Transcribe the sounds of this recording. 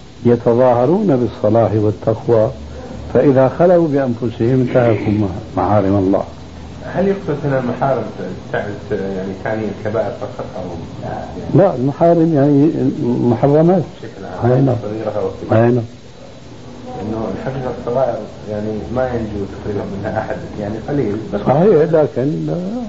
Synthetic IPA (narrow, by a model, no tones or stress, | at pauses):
jɑt̪ɑðˤɑːhɑɾˤuːnabɨsˤːɑlɑːħwɪt̪ːaqwa | faʔɪðaxalafubɪʔanfʊsɪhɪmnt̪ahjakuːnmamaħaːɾɪmɑlˤːɑ̰ː | haljʊqt̪ʊlʔɪnalmaħaːɾɪmt̪aʕt̪jaʕnit̪ʰaːnilkabaːʔɪɾfɑqːɑt̪ˤʔa̰wm | aalaʔɪlmaħaːɾɪmjaʕnimʊħɑrˤːɑmaːt̪ʃaklʕaːmʔajnasˤɑɣiːɾaawsˤiʔejnaːm | ʔɪnːʊɪlħɑqiːqɑsˤːɑɣɑːʔɪɾ | jaʕnimajɪnd͡ʒut̪ḁqɾiːbanmɪnhaʔaħad̪jaʕniqɑliːlsˤɑħiːħlakɪnla